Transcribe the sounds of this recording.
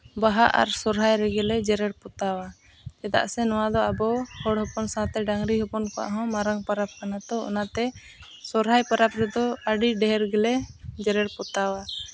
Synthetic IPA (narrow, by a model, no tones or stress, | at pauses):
baɦaʔa̰ɾsɔɾɦajɾɛɡɛlɛd͡ʒɛɾɛɽpɔt̪awa | t͡ʃ̪ɛd̪a̰ʔsɛnɔwad̪ɔabɔhɔɽhɔpɔnsãt̪ɛɖaŋɾiɦɔpɔnkɔʔa̰ɦɔ̃maɾaŋpaɾap̚kanat̪ɔɔ̰nat̪ɛ | sɔɾɦajpaɾapɾɛd̪ɔaɖiɖɛɦɛɾɡɛlɛd͡ʒɛɾɛɽpɔt̪awa